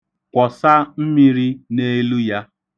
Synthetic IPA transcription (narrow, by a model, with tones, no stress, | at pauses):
kʷɔ˨sa˦m̩˦mi˦ɾi˦ne˦lu˦ja˦